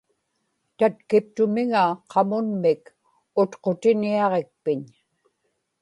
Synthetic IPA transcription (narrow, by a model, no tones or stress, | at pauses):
t̪at̪kɪp̚t̪ʊmɪŋaqʰɑmʊnmɪk | ʊt̪qo̞t̪ɪniɑʁe̞k̚pɪɲ